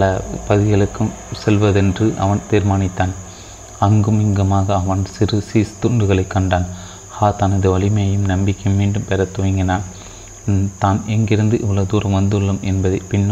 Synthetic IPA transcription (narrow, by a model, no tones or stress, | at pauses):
lɐpɐðɪɣɐɭɯkːɯm | sɛlʋɐðɛndrɯʔɐ̰ʋɐnt̪iːɾmaːnɪt̪ːaːn | ɐŋɡɯmɪŋɡɐmaːɣɐːʋɐnsɪɾɯsiːst̪ʊɳɖɯɣɐɭɐɪkːɐɳɖaːn | haːt̪ɐnɐðɯʋɐɭɪmɐjɐjɯmnɐmbɪkːɐmiːɳɖɯmpɛɾɐt̪ːɯʋɐŋɡɐnaː | t̪aːnɛŋɡɪɾɯnd̪ɯʔɪʋɐɭɐd̪uːɾɐ̃mʋɐnd̪ɯɭːɯmɛnbɐðɐɪpɪnːɯ